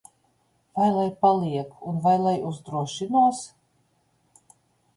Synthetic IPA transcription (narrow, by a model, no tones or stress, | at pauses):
vajlˠajpalˠiɛkunvajlˠajuzd̪ɾuɔʃinuɔs